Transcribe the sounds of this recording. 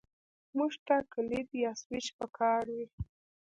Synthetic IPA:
muʒt̪akəlid̪jaswɪt͡ʃpəkʰɑɾwi

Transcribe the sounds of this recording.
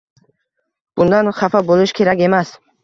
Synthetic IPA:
b̥und̪anχafaboliʃkʰeɾaɡe̞mas

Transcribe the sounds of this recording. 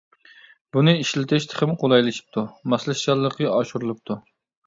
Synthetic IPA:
bunɨiʃlɪt̪ʰɪʃt̪ʰɪ̥χɪmqʰolˠɑjlˠɨʃi̥p̚t̪ʰumɑslˠɨsʃɑlˠːəqəɑʃuɾɨlˠɨp̚t̪ʰu

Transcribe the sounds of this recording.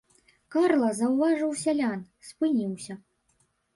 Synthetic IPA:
karlˠɐzɐwvaʐɨwsʲalʲan | spɨnʲiwsʲɐ

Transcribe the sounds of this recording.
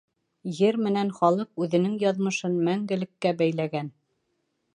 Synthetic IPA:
jɘɾmɘ̆nænχɒlˠɤq̚ʉðɘ̆nɘŋjɑðmɤ̆ʃɤnmæŋɡɘ̆lɘ̆kːæbæjlæɡæn

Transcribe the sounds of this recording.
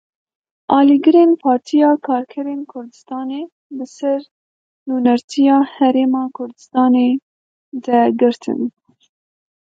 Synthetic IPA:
ʔɑːliɡɨɾenpʰɑːɾt̪ʰijɑːkʰɑːɾkʰɛɾeːnkʰʊɾd̪ɨst̪ɑːneː | bɨsɛɾ | nuːnɛɾt̪ʰijɑːhɛɾeːmɑːkʰʊɾd̪ɨst̪ɑːneː | d̪ɛɡɨɾt̪ʰɨ̰n

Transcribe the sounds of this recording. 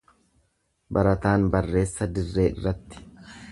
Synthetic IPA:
bɐɾɐt̪aːnbɐrːe̞ːsːɐd̪ɪrːe̞ːɪ̰rːɐt̪ːɪ̥

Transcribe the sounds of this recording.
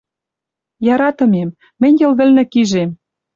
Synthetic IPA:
jɑɾɑt̪ɤ̆memː | ɘ̆nʲjɤ̆lβɘ̆lnɘ̆kiʒem

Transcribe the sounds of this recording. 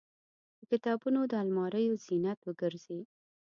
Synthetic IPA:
d̪̥əkɪt̪ɑbunod̪əalmɑɾəjoz̥inat̪wəɡəɾz̥e

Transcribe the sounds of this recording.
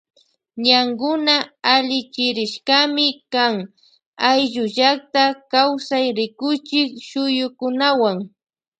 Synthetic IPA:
ɲaŋɡʊnaːʎɪt͡ʃɪɾɪʃkamɪkaŋ | ajʎʊʒak̚t̪akawsajɾɪkʊt͡ʃɪkʃʊjʊkʊnawaŋ

